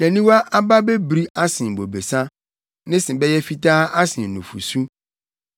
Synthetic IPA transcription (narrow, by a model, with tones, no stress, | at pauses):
nɛ̃˨nĩ˦wa˦ʔa˦ba˦bɛ˦bɾi˦a˦sɪ̃˨m˨bo˨be˨sã˦ | nɪ̃˦sɪ̃˨bɛ˦jɛ˦fi˦taː˦ʔa˦sɪ̃˨n˨nũ˨fṵ˨su˦